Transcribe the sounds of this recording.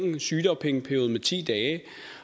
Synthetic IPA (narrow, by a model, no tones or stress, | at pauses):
ŋ̩syːd̥ɒ̽mpʰeŋəpʰæɐo̝ːð̩ˠmet͡sʰḭːd̥ɛː